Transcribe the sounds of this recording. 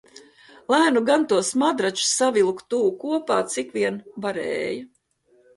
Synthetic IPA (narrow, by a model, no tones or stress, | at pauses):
lˠæːnuɡant̪uɔsmad̪ɾat͡ʃu̥savilˠkt̪uːkuɔpaːt̪sikviɛnbaɾɛ̰ːjɐ